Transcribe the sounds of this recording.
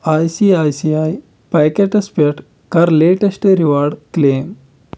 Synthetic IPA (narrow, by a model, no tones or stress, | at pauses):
ajsiajsiaj | pajkeʈespeʈ | kaɾleʈesʈeɾiʋaɾɖklem